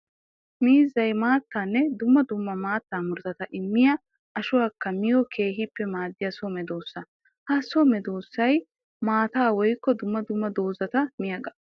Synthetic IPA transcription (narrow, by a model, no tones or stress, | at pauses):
miːzɐjmaːt̪ːaːnːɛd̪ʊmːɐd̪ʊmːɐmaːt̪ːaːmʊɾt̪ɐt̪ɐʔɪmːɪjɐ | ʔɐʃʊwaːkːɐmɪjɔkʰe̞ːɦɪpːɛmaːd̪ːɪjɐsɔmɛd̪oːsːɐ | hɐsɔmɛd̪oːsːɐj | maːt̪aːwɔjkːɔd̪ʊmːɐd̪ʊmːɐd̪o̞ːzɐt̪ɐmɪjɐɡɐ